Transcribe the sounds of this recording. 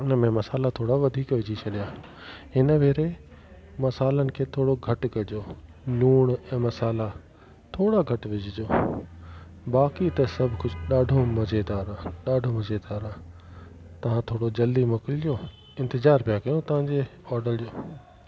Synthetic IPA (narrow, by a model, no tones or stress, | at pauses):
ʊnəmẽmɐsaːlat̪ʰoːɽaʋɐd̪ʱiːkʋɪd͡ʑʱit͡ɕʰɐɗijaː | ɦɪnəʋeːɾe | mɐsaːlənɪ̆kʰeːt̪ʰoːɽoɡʱɐʈkɐd͡ʑoː | luːɽ̃ɛ̃ːmɐsaːla | t̪ʰoːɽaɡʱɐʈʋɪd͡ʑʱɪd͡ʑoː | baːkit̪ɐsɐbʱkʊd͡ʑʱɗaːɖʱomɐd͡ʑʱed̪aːɾãɗaːɖʱomɐd͡ʑʱed̪aːɾãː | t̪ɐʋ̤ãt̪ʰoːɽod͡ʑɐld̪imʊkɪlijoː | ɪ̃nt̪ɪzaːɾpijakɐjũt̪ɐʋ̤ãɲd͡ʑeɔːɾɖəɾd͡ʑjoː